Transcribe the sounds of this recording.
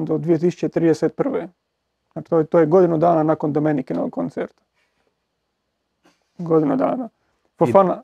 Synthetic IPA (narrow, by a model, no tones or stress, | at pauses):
d̪od̪ʋijet̪̬isu̥t͡ʃet̪ɾid̪eset̪̚pr̩ʋe | ḁt̪ot̪oːjeɡod̪inud̪aːnanakond̪omenikenoʋoɡ̚kont̪seɾt̪ḁ | ɡod̪inud̪a̰ːna | fofana